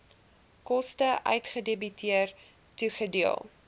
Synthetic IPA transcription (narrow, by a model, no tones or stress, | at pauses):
kɔstəʔœ̰ɥtχədebytʰiər | tuχədiəlˠ